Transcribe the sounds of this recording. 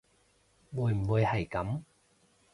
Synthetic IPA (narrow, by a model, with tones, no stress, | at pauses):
wuː˨˧jm̩˨˩wuː˨˧jhɐ˨˩jkɐ˨˥m